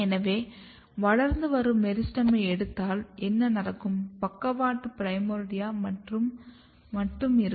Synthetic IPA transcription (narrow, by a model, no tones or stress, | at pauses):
ɛnɐʋeː | ʋɐɭɐɾnd̪ɯʋɐɾɯmːɛɾɪsʈɐmɐɪɛɽɯt̪ːaːlʔɛnːɐnɐrɐkːɯmpɐkːɐʋaːʈːɯpɪɾɐjmoːɾɽɪjaːmɐrɯ | mɐʈrɯmɪɾɯ